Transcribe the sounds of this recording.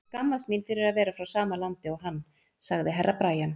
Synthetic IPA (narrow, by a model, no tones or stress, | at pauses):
kamːast̪minfɪɾɪɾaðvɛːɾafɾawsaːmalant̪ɪɔɣɦanː | saɣðɪɦɛrːʔapɾaːjan